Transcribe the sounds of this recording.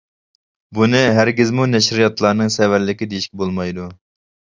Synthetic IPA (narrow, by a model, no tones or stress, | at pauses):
bunɪɦæɾɡʲɪzmunɛʃɾijɑt̪lˠɑɾnɨŋsɛvæɾlɪkʲid̪ejiʃkʲɛbolˠmɑjd̪u